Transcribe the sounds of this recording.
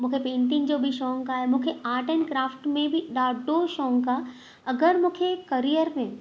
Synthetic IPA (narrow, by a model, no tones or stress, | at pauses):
mũkʰepẽːnʈ̪ĩŋd͡ʒoːbʱiʃɔ̃ːŋkaɦɛmũkʰeaːʈənkɾaːfʈmẽbʱiɖaːɖoʃɔ̃ːŋɡka | ɐɡəɾmũːkʰekɐɾijəɾmẽ